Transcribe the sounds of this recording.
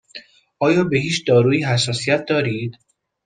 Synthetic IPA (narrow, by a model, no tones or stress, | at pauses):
ʔɒːjɒːbe̞ɦiːt͡ʃd̪ɒːɾuːiːɦæsːɒːsijæt̪̚ʰd̪ɒːɾiːd̪̥